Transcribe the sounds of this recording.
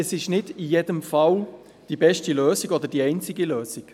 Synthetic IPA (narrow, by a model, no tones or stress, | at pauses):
ɛsɪʃnɪdɪjeːdəmfal | d̥ibɛʃtəløːsɪɡɔd̪əd̥iɛɪnt͡sɪɡəløːsɪk